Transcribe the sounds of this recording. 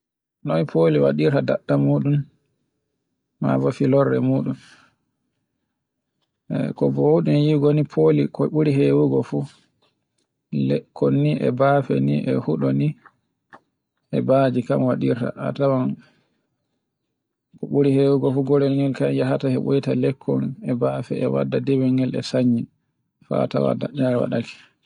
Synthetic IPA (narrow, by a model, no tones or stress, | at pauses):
nɔnipʰoliwa̰ɗiɾtadaɗːamuːɗum | ma̰vafilɔɾːɛ̰muɗum | kɔbɔhuɗunjiɡɔnipʰolikɔɓuɾiɦewuɡɔfu | lɛkʰonːiʔɛ̰bafɛ̰niʔɛ̰huɗɔni | ʔɛbad͡ʒikamwaɗiɾta̰ʔatawan | kɔɓuɾihewuɡɔfuɡɔɾɛlŋɡɛlkamjaɦatahɛɓojitalɛkʰːɔnɛbafɛ̰ɛwa̰dːadɛwɛɡɛlɛ̰saɲːin | fa̰ta̰wa̰daɲaɾwa̰ɗaki̥